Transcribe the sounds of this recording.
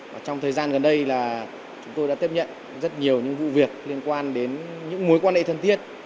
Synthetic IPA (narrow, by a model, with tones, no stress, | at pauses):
vaː˨˩t͡ɕɔ˧wŋ͡mt̪ʰəː˨˩jzaː˧nɣə˨˩nɗə˧jlaː˨˩ | t͡ɕʊ˨˦ŋ͡mt̪o˧jɗa̰ː˧˥t̪i˦˥əp̚ɲə̰˧˨n | zə˦˥t̚ɲi˨˩əwɲɨ̰˧˥ŋvṵ˧˨vi˨˩ək̚li˧ənkwaː˧nɗe˨˦nɲɨ̰˧˥ŋmu˨˦jkwaː˧nhḛ˧˨˩t̪ʰə˨˩nt̪i˦˥ət̚